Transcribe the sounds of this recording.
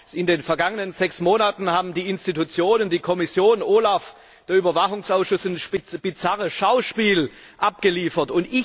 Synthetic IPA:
ʔɪndeːnfɛɐɡaŋənənzɛksmoːnatn̩haːbm̩diːɪnstitut͡sjoːnəndiːkʰɔmɪsjoːnʔoːlaf | d̥eːɐyːbɐvaχʊŋsaʊsʃʊsnʃb̥ɪt͡saʁəsʃaʊʃpiːl | ʔap̚ɡ̥əliːfɐtʊntɪ

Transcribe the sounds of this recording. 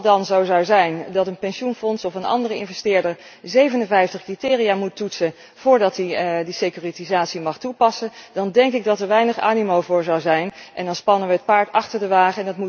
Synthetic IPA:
dɑnzowzɑwzɛjndɑtənpɛnʃunfɔnsɔfənɑ̰ndərəɪ̰nvɛstɪːɹdəɹzejvənə̃nvɛjftəχkritɪːrijaːmutːutsən | v̥ʊːɹdɑtidisejkyːritizaːtsimɑχtupɑsəndɑndɛŋkɪɡ̚dɑtəɹʋɛjnəχa̰ːnimowvʊːɹzɑwzɛjnʔɛndɑnspɑnəʋəɦət̚paːɹtɑχtəɹdəʋaːχəɛndɑtmu

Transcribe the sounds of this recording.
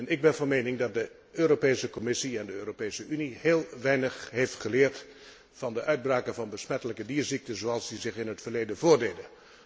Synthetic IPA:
ɛnɪɡ̚bɛnvɑnmejnɪŋdɑt̚də | øːropejsəkɔmɪsiɛndəøːropejsəyniheːlˠʋɛjnəχɦejftχəlɪːɹt | fɑndəʔœɥd̚braːkənvɑnbəsmɛtələkədiːɹzik̚təzoːɑlˠzdizɪχɪnɦətfəɹlejdənvʊːɹdejdə

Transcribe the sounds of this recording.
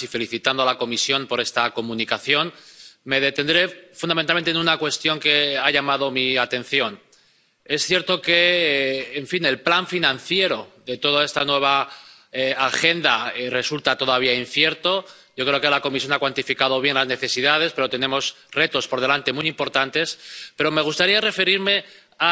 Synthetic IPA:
ife̞liθit̪and̪oalako̞misjo̞mpo̞ɾe̞st̪ako̞mũnikaθjo̞nme̞ð̞e̞t̪e̞nd̪ɾe̞fund̪ament̪almenenunakwe̞st̪jo̞ŋke̞aʝamað̞o̞miat̪e̞nθjo̞n | e̞sθje̞ɾt̪o̞ke̞ː | ɱfine̞lplaɱfinãnθje̞ɾo̞ðe̞t̪o̞ð̞ae̞st̪anwe̞β̞a | eaxe̞nd̪are̞sult̪at̪o̞ð̞aβiainθje̞ɾt̪o̞ | ɟ͡ʝo̞kɾe̞okelako̞misjo̞nakwant̪ifikaðo̞β̞je̞ŋlazne̞θe̞siðað̞e̞spe̞ɾo̞t̪e̞nẽ̞mo̞s | re̞t̪o̞spo̞ɾð̞e̞lant̪e̞mujimpo̞ɾt̪ant̪e̞spe̞ɾo̞me̞ɣ̞ust̪aɾiare̞fe̞ɾiɾme̞ | a

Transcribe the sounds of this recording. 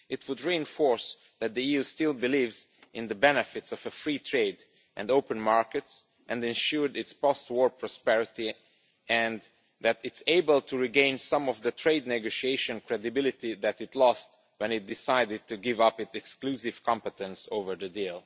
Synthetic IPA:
ɪtʰwʊdɹiɨ̃nfɔɹs | ðæt̪̚ðiiʉstɪlˠbɨlivzʔɪ̃nðəbɛnɨfɪtsɔvəfɹitʰɹeɪd | ʔndoʊpə̃nmaɹkɨts | ʔɛ̃ndɨ̃nʃuɹdɪtspɔst̚wɔɹpʰɹɔspɛɹɪti | ʔɛ̃n | ðætɪtseɪbəlˠtʰuɹiɡẽɪ̃nsʌ̃mɔvðətʰɹeɪdⁿnɛɡoʊʃieɪʃɨ̃nkʰɹɛdɨbɪlˠɪtiðætɨtʰlɔst | wɛ̃nɪt̚d̥ɪsaɪdɨd̚tʰuɡɪvʌpɨtɛksklusɪv̥kʰɑ̃mpətɛ̃nsoʊvə˞ðɨdilˠ

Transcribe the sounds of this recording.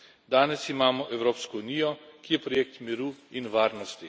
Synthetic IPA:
d̪aːnɛsimaːmɔʔɛwɾoːpskɔunijɔkijɛpɾɔjeːk̚t̪miɾuːinʋaːɾnɔst̪i

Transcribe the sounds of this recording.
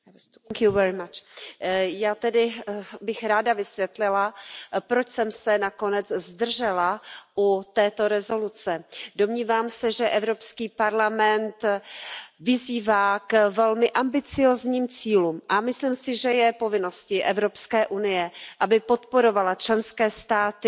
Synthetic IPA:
ŋkuvɛɾɪt͡ʃ | jaːt̪ɛdɪbɪxɾaːdavɪsvjɛt̪lɪlapɾot͡ʃsɛmsɛnako̞nɛd͡zzd̪r̩ʒɛlaʔut̪ɛːt̪o̞ɾɛzo̞lut͡sɛdo̞mɲiːvaːmsɛʒɛʔɛvɾo̞pskiːpaɾlamɛnt̪ | vɪziːvaːkvɛlmɪʔambɪt͡sɪjoːzɲiːmt͡siːluːmʔamɪsliːmsɪʒɛjɛpo̞vɪno̞scɪʔɛvɾo̞pskɛːʔunɪjɛʔabɪpo̞t̪po̞ɾo̞valat͡ʃlɛnskɛːst̪aːt̪ɪ

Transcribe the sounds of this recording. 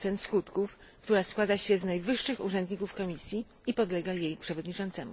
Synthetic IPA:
sɛnskut̪kuf | kt̪uɾaskwad̪aɕɛznajvɘʂːɘxṵʐɛnd̪ɲikufkɔmʲisʲji | ipɔd̪lɛɡajejpʂɛvɔd̪ɲit͡ʂɔnt̪sɛmṵ

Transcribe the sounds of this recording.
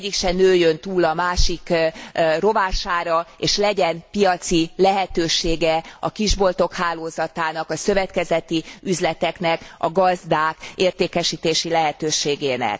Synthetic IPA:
ɟːikʃɛnøːjønt̪uːlɒmaːʃik | ro̞vaːʃaːɾɒeːʃlɛɟɛnpijɒt̪silɛɦɛt̪øːʃeːɡɛɒkiʒbo̞lt̪o̞khaːloːzɒt̪aːnɒkɒsø̞vɛt̪kɛzɛt̪iyzlɛt̪ɛknɛkɒɡɒzd̪aːkeːrt̪eːkɛʃiːt̪eːʃilɛɦɛt̪øːʃeːɡeːnɛ̰k

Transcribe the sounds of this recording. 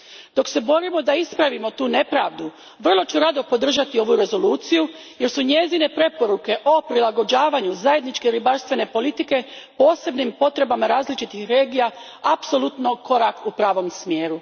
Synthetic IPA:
d̪o̞kse̞bo̞ɾimo̞d̪aispɾaʋimo̞t̪uːne̞pɾaːʋd̪u | ʋr̩lˠo̞t͡ʃuɾad̪o̞po̞d̪r̩ʒat̪io̞ʋuɾe̞zo̞luːt̪sijuje̞ɾsuɲe̞zine̞pɾe̞po̞ɾuke̞ʔo̞pɾilˠaɡo̞d͡ʒaːʋaɲuzaje̞d̪nit͡ʃkeɾibaɾst̪ʋe̞ne̞po̞lit̪ike̞po̞ːse̞bnimpo̞t̪ɾe̞bamaɾaːzlit͡ʃit̪ixɾe̞ːɡija | apso̞lˠut̪no̞ko̞ɾakupɾaːʋo̞msmje̞ːɾu

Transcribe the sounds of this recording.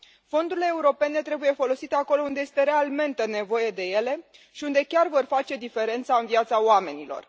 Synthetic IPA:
fo̞nd̪uɾile̞ːuɾo̞pe̞ne̞t̪ɾe̞buje̞fo̞lo̞sit̪eako̞lo̞und̪e̞je̞st̪e̞ɾe̞alme̞nt̪ene̞vo̞je̞d̪e̞je̞le̞ | ʃiund̪e̞kʲarvo̞rfat͡ʃe̞d̪ife̞ɾe̞nt̪saɨnvijat̪saoame̞nilo̞̰r

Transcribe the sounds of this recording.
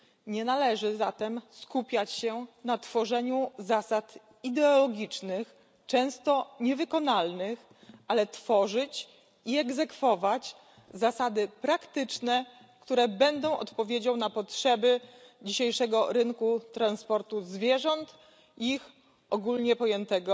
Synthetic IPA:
ɲɛnalɛʐɘzat̪ɛmskupʲjat͡ɕɕɛnat̪fɔʐɛɲuzasat̪ | id̪ɛɔlɔɡʲit͡ʂnɘx | t͡ʂɛ̃w̃st̪ɔɲɛvɘkɔnalnɘx | ʔalɛt̪fɔʐɘt͡ɕ | iɛɡzɛkfɔvat͡ɕ | zasad̪ɘpɾakt̪ɘt͡ʂnɛ | kt̪uɾɛbɛnd̪ɔ̃w̃ɔ̰t̪pɔvʲjed͡ʑawnapɔtʂɛbɘd͡ʑiɕejʂɛɡɔɾɘŋkut̪ɾanspɔɾt̪uzvʲjɛʐɔnt̪ | iix | ʔɔɡulɲɛpɔjɛnt̪ɛɡɔ

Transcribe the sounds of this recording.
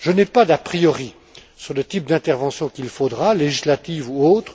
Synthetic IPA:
ʒənɛpad̪apχijɔʁi | syʁlət̪ip̚d̪ɛ̃t̪ɛʁvɑ̃sjɔ̃kʲilfod̪ʁaleʒislat̪ivuoːt̪χ

